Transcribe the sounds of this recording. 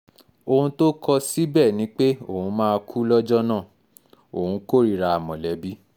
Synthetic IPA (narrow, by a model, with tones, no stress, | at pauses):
o˧hũ˧to˦kʰɔ˧si˦bɛ˦˨nĩ˨˦k͡pe˦o˦˨hũ˧˦mãː˦˧kʰu˦lɔ˦d͡ʒɔ˦nãː˦˨ | o˨hũ˨˧ko˦˨ɾi˦˨ɾa˧a˨mɔ̃˨lɛ˨˦bi˦